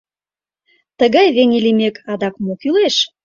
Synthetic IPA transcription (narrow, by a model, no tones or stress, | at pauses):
t̪əɣɑjβenʲilimekʰɑd̪ɑkmokyleʃ